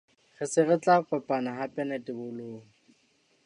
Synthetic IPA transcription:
χɪsɪrɪt͡ɬʼakɛpʼanaɦapʼɛnɛtʼɪbʊloːŋ̩

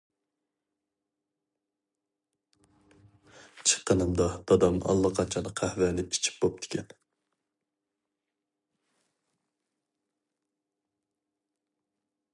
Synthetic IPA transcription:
t͡ʃʰə̥qːənɨmd̪ɑd̪̥ɑd̪ɑmʔɑ̰lˠːɑqʰɑnt͡ʃʰɑnɨqʰæhvænɪpi̥t͡ʃʰi̥p̚bop̚d̪ʰɪ̥kʲʰɛn

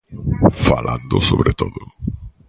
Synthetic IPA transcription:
falãnd̪osoβɾet̪oðʊ

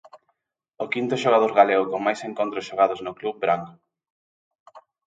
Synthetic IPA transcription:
okint̪ʊʃoɣ̞að̞oɾɣaleɣokoŋmajseŋkont̪ɾosʃoɣ̞aðoznokluβ̚bɾaŋ

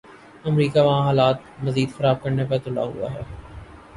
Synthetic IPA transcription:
ɐmɾiːkaʋɐɦãɦaːlaːt̪̚mɐziːd̪xɐɾaːb̚kɐɾnepɐɾt̪ʊla̰ɦṵa̰ɦɛː

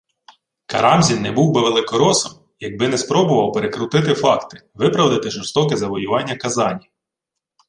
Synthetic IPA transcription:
kɐ̰ɾɑmzʲinːɛbuwbɪʋelˠɪkɔɾɔsɔm | jɐɡ̚bɪnɛspɾɔbʊʋɐwpeɾekɾʊt̪ɪt̪ɪfɑkt̪ɪ̥ʋɪpɾɐwd̪ɪt̪ɪʒɔrst̪ɔkɪzɐʋɔjʊʋɑnʲːɐkɐzɑnʲi

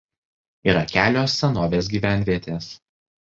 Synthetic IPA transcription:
iːɾɐkʲæːlʲoːsʲːɛnoːʋʲeːs̬ɡʲiːʋʲæˑnʲʋʲiɛt̪ʲeːs

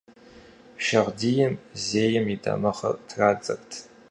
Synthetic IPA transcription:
ʃɐʁʷdijɛmzeːjɛmidɐ̰mɐχɐ̰rtʰraːt͡sʼɐrtʰ

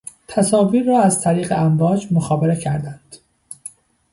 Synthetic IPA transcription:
t̪ʰæsɒːviːɾːɒːæzt̪ʰæɾiːɣeæmvɒːd͡ʒmoxɒːbeɾecʰæɾd̪ænd̪̥

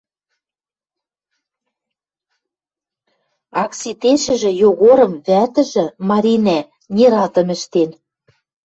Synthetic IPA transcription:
ɑksit̪eʃɘ̆ʒɘ̆joɣoɾɤ̆mβæt̪ɘ̆ʒɘ̆mɑɾʲinæ | nʲiɾɑlt̪ɤ̆mɘ̆ʃt̪en

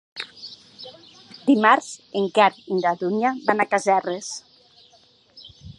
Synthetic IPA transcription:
d̪imaɾz̥eŋkaɾiŋɡaðuɲaβanakazɛres

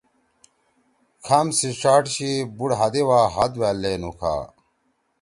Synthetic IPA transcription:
kʰɐmsiʂaːʈɕibuɽɦɐd̪ewaːɦɐd̪wælːeːnukʰa̰ː

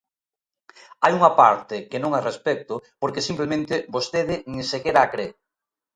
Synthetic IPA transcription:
ajuŋɐpaɾt̪ɪkenõŋarespɛk̚t̪ʊpoɾkesimplemẽnt̪ɪbost̪eðɪŋ̃sekeɾaːkɾe

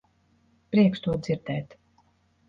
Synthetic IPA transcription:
pɾiɛkst̪uɔd̪ziɾd̪ɛːt̪

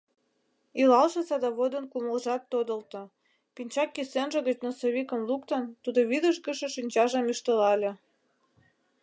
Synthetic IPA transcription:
ilɑlʃɤ̆sɑd̪ɑβod̪ənkuməlʒɑt̪ːod̪ə̆lt̪ŏ | pinʲt͡ɕɑkːisenʒə̆ɣət͡ɕnosoβikə̆mlukt̪ənt̪ud̪oβid̪əʃɡəʃĕʃynʲt͡ɕɑʒɑmyʃt̪əlɑlʲĕ

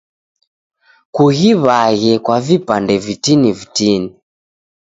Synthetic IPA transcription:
kuɣiβaɣɛkwavipandɛvitinivitini

